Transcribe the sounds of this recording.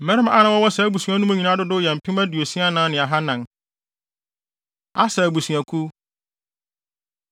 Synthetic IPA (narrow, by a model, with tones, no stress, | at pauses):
m̩˨mɛ̃˦ɾɪ˦m˦a̰˦nã˦wɔ˦wɔ˦sɛ˨˦bu˨sũ˨a˦nũ˦mã˦ɲĩ˨nã˦dʊ˦dʊ˦jɛ˨m̩˨pʰi˦mæ˦du˨o˨sĩ˦a˦nãː˦nɪ̃˨a˨ɦa˦nã˨n | a˦sɛ˨bu˨sũ˨æ˨kʰu˦